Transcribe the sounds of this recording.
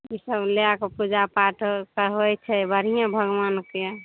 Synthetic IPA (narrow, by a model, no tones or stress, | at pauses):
isəbleakepud͡ʒapaʈkəɦojt͡ʃʰɛbʱəɾ̤ijãbʱəɡʋanke